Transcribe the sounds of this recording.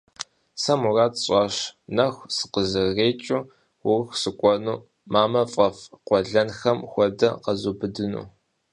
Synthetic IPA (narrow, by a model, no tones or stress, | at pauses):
sɐmuraːtɕʼɑːʃnɐxʷsɨ̥qəzɨɣeːt͡ʃʼʊ | wʊrxʷsɨkʷʼɔnuː | maːmɐfʼɐfqʷɔɮɐnxɐmxʷɔdɐqɐzuːbɨdɨnṵː